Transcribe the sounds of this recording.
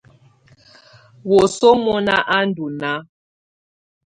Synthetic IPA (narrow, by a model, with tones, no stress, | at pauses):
wɔ˨sɔ˦mɔ˦na˦ʔa˦n˦du˨na˦